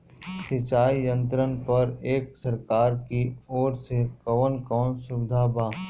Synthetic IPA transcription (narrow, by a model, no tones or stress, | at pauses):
sɪt͡ʃaːijə̃nt̪ɾənpɐɾeːksɐɾkaːɾkioːɾsekɔʋənkɔːnsʊbd̪ʱaːbaː